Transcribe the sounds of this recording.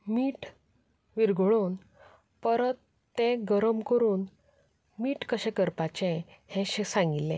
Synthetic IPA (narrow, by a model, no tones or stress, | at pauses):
miːʈ | ʋiɾɡɭoːn | pəɾət̪ː | ɛ̃ɡəɾəmkəɾuːn | miːʈkəɕɛ̃kəɾpat͡ɕɛ̃hɛ̃ɕesãŋɡilːɛ̃